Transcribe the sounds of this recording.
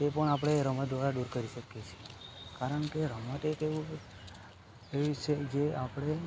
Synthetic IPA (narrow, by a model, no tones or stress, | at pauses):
t̪epəɳap̬ɽeɾəməd̪ʋaɾaɖuɾkəɾiʃəkjet͡ʃʰiekaɾəɳkeɾəmət̪et̪eũ | eʋit͡ʃʰed͡ʒeapɽ̃e